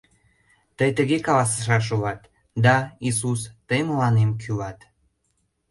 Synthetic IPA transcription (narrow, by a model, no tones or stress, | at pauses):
t̪əjt̪əɣekɑlɑsə̥ʃ̬ɑʃ̬ulɑt̪ | d̪ɑis̬ust̪əjməlɑnemkʰylɑt̪